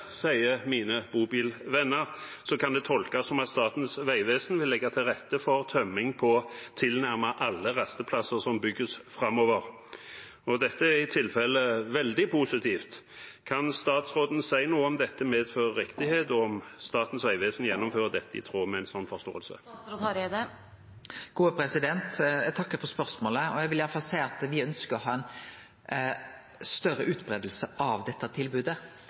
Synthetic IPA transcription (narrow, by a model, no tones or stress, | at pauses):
sæɪəmiːnəb̥uːbiːlʋɛnːəʁsɔkʰɑnd̪ɛt̪ʰɔlkɑsɔmɑt̪st̪ɑːt̪n̩sʋæɪʋeːsnʋɪlːɛɡːat̪ʰɪlʁɛt̪ːəfɔʁt̪ʰœmːɪŋpʰɔt̪ʰɪlnæʁməʔɑlːəʁɑst̪əpʰlɑsəʁsɔmbʏɡːəsfʁɑmːoːʋəʁ | ɔd̪ɛt̪ːəæʁɪt̪ʰɪlfɛlːəʋɛld̪ɪpʰuːsɪt̪ʰiːft̪ | kʰɑnst̪ɑːt̪sʁoːd̪n̩sæɪnuːəɔmd̪ɛt̪ːəmeːd̪føːʁəʁɪkt̪ɪheːt̪ɔɔmst̪ɑːt̪n̩sʋæɪʋeːsnjɛnːʊmføːʁəd̪ɛt̪ːəɪ̰t̪ʰɾuːmɛæɪnsɔnːfɔʁst̪o̰ːəlsə̰d̪ | ɡ̥uːəpʰɾɛsɪd̪ɛnt̪jæt̪ʰɑkːəfɔʁspœʁsmoːləɔjæɪʋɪljæːəfɑlsæɪɑt̪ʋɪœnskəɔhɑːɛn | st̪œrəʔʉːt̪bɾeːd̪əl̩səʔɑʋd̪ɛt̪ːɑt̪ʰɪlbʉːd̪ə